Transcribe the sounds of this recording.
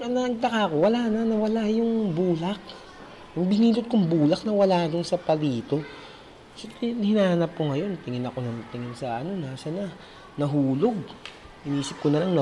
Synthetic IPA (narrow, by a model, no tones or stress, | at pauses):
ɐnɐɐɡ̚t̪ɐkako̞wɐlanɐnɐwɐlajʊŋbuːlak̚ | jʊŋbɪniːlʊt̪̚kʊŋbuːlɐk̚nɐwɐlad̪ʊnsɐpɐliːt̪o̞ | sot̪hɪnaːhanap̚koŋɐjo̞nt̪ɪŋɪnɐko̞nɐnt̪ɪŋɪnsɐʔɐno̞nasɐna | nɐɦuːlo̞ɡ̚ | hɪniːsɪp̚konɐlaŋnɐ